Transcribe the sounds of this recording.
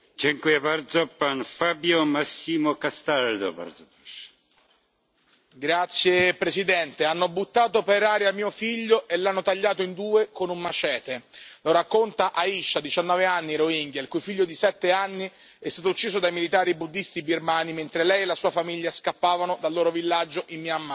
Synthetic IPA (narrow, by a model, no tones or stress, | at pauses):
t͡ʃɛŋkiapaɾd̪zɔpːanfabjomasːimokast̪ald̪o̰pa̰ɾzɔpːḁʃ | ɡɾat̪sːjepɾesid̪ɛnt̪eanːobut̪ːaːt̪opeɾaːɾjamːiːofiʎːoʔelːanːot̪aʎːaːt̪oind̪uːekonummat͡ʃɛːt̪eloɾakːont̪aʔaiʃːad̪it͡ʃanːɔːveanːiɾoiŋɡjailkujfiʎːod̪isɛt̪ːeanːi | ɛst̪aːt̪out͡ʃːiːzod̪ajmilit̪aːɾibud̪ːist̪ibirmaːniment̪ɾelɛjelasuːafamiʎːaskapːaːvanod̪alːoːɾovilːad͡ʒːoʔimːiamːa